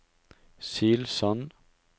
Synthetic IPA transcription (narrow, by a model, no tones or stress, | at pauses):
siːlsɔn